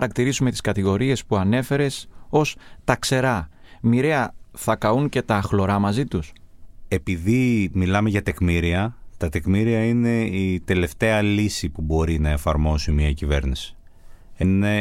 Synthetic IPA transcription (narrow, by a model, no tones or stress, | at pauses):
ɐɾɐkt̪iɾisume̞t̪i̥skɐt̪iɣo̞ɾie̞spuɐne̞fe̞ɾe̞so̞st̪ɐkse̞ɾɐ | miɾe̞ɐθɐkɐuŋce̞t̪ɐxlo̞ɾɐmɐzit̪use̞piðimilɐme̞ʝɐt̪e̞kmiɾiɐt̪ɐt̪e̞kmiɾiɐine̞it̪e̞le̞ft̪e̞ɐlisipubo̞ɾinɐe̞fɐɾmo̞simiɐcive̞̰ɾnisi̥ | ene